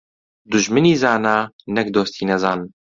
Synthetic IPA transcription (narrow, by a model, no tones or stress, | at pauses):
d̪ʊʒmɨniːzaːnaː | nɛk̚d̪oːst̪ʰiːnɛzaːn